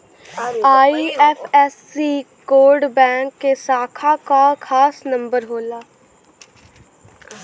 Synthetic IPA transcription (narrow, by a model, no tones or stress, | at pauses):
aːiːɛfʰɛːs | iː | koːɾɖbɛ̃ːŋkːesaːkʰakakʰaːsnə̃mbəɾɦoːlaː